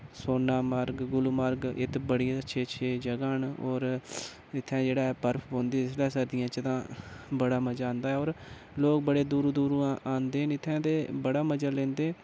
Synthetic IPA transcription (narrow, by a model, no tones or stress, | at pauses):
soːnaːməɾɡɡʊlməɾɡɪ̰t̪bəɽijãəʃʰeːət͡ʃʰeːd͡ʒəɡaːnɔːɾ | ɪt̪ʰːɛ̃ːd͡ʒeːɽaːɛpəɾpʰbõːnd̪eːɪslɛːsəɾd̪ɪjãːt͡ʃət̪ãːbəɽaːməd͡ʒaːnd̪aːɛːoːɾ | loːk̚bəɽeːd̪uːɾd̪uːɾuːãːʔaːnd̪eːɦnɪt̪ʰːɛ̃ːt̪eːbəɽaːməd͡ʒaːlẽːnd̪eː